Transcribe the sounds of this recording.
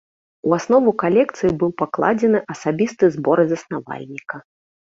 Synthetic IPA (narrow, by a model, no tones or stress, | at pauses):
uasnɔvukalʲɛkt̪sɨjibɨwpaklˠad͡zʲɛnɨʔɐsabʲist̪ɨzbɔɾɨzɐsnava̰lʲnʲikɐ